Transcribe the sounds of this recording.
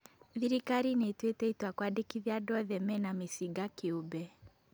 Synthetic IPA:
ðiɾikaɾinetwetɛitwakwadekiðjadɔðɛmɛnamisiɡakeobɛ

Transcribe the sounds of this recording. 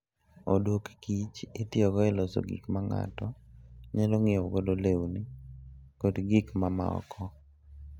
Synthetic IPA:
odokkit͡ʃɪt̪ɪɔɡɔɛlɔso̰ɡḭkmaŋa̰tɔɲeloŋɪɔɡodolewnikɔdɡikmama̰ɔ̰kʰɔ

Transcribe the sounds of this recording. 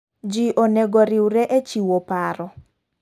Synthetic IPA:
d͡ʒiʔonɛɡoɾɪwɾɛʔet͡ʃiwopaɾɔ

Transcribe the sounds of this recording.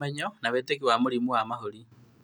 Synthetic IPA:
eɲɔnaβetekiwamoɾimuwamaɦoɾi

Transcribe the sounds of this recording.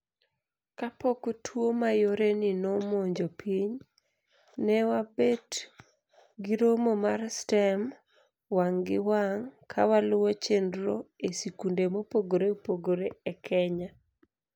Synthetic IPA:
kapokotʰwomajoɾenɪnomoɲd͡ʒopʰiɲ | nɛwabet | ɡiɾomomarstɛm | waŋɡɪwaŋkʰawalʊwɔt͡ʃendɾoesikundemopoɡoɾepoɡoɾeɛkʰɛɲa

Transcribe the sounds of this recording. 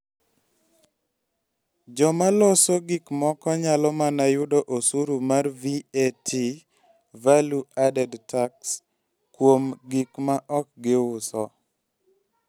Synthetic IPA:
d͡ʒɔmalɔsoɡikmɔkɔɲalɔmanajʊdɔʔosuɾumarvietʰi | valuadɛdtaks | kwomɡikmaʔɔk̚ɡɪʊsɔ̰

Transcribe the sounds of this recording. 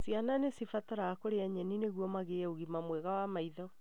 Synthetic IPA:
siananesifataɾaakoɾeaɲɛnineɣwɔmaɣeɛoɣimamwɛɣawamaiðɔ

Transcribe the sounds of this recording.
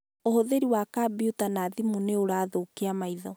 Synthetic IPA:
ohoðeɾiwakabiutanaðimuneoɾaːðokeamaiðɔ

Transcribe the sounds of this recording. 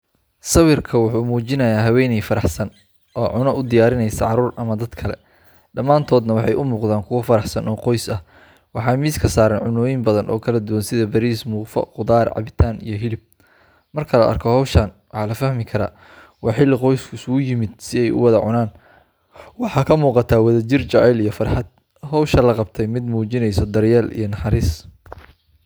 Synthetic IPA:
sɐwɪrkʰɐwʊħuːmuːt͡ʃɪnɐjaːɦɐwɛːnɛjfɐɾɑħsɐn | ʔɔːʕʊnɔʔʊd̪ɪjaːɾɪnɛjsɐʕɑɾuːrʔɐmɐd̪ɐd̪kʰɐlɛ̰ | ɖɐmaːnt̪ʰɔːd̪nɐwɑħɑjʔʊmuːqðaːŋkʰʊwɐfɐɾɑħsɐnɔːqɔjsɐh | wɑħɑːmiːskʰɐsaːɾɐnʕʊnɔːjɪmbɐðɐnʔɔːkʰɐlɐd̪ʊwɐnsɪðɐbɐɾiːsmʊːfɐ̰qʊðaːrʕɑ̰βɪt̪ʰaːnḭjɞɦɪlɪb̚ | mɐrkʰɐlɐ̰ʔɐ̰rkʰɔhɔwʃɐnwɑħɑːlɐfɐhmɪkʰɐɾa̰ː | wɑħɪlːɪqɔjskʰʊɪsʊɡʊjɪmɪd̪sɪɛjʊ̰wɑðɐʕʊnaːn | wɑħɑːkʰɐmuːqɑt̪ʰaːwɑðɐt͡ʃɪrt͡ʃɐɛlijɞfɐrħɑd̪ | hɔwʃɐlɐqɑbt̪ʰɛjmɪd̪muːt͡ʃɪnɛjsɔd̪ɐrjɛːlḭjɞnɐħɑɾiːs

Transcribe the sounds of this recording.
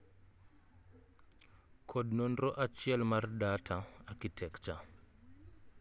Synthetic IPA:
kʰɔɗnɔnɾɔʔat͡ʃiɛlmardatʰaakitʰɛkt͡ʃa

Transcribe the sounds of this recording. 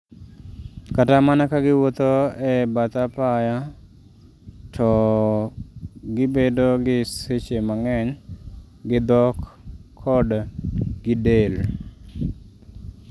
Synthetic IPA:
katamanakaɡɪwot̪oɛbat̪apaja | tʰɔ | ɡɪbedoɡɪset͡ʃemaŋɛɲ | ɡɪd̪ɔkʰːɔdɡ̥ɪdel

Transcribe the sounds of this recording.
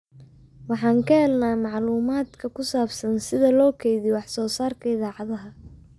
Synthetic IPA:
wɑħɑːŋkʰɐhɛlnaːmɑʕluːmaːd̪kʰɐkʰʊsaːbsɐnsɪðɐlɔːkʰɛjðɪwɑħsɔːsaːrkʰɐɪðaːʕɑðɐɦɐ

